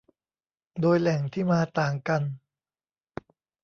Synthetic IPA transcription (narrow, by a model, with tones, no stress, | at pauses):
doː˧jlɛ˨˩˦ŋt̪ʰiː˥˩maː˧t̪aː˨˩ŋka˧n